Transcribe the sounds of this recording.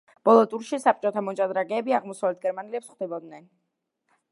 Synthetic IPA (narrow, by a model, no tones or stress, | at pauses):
b̥ɔlˠɔt̪ʼuɾʃisapʼt͡ʃʼɔt̪ʰamɔt͡ʃʼad̪ɾaɡɛːbiaʁmɔsavlɛt̪̚ʰɡɛɾmanilɛpsχd̪ɛbɔd̪nɛn